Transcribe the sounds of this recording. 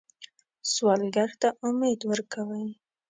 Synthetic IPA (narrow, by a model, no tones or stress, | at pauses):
swɑlɡaɾt̪aʔʊmed̪wəɾkʰawəj